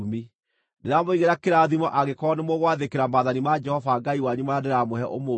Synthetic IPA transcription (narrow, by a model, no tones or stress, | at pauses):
mi | neɾamoiɣeɾakeɾaðimɔʔaɣekɔnemoɣwaðekeɾamaðanimad͡ʒɛhɔvaɡaiwaɲumaadeɾamoɦɛʔomo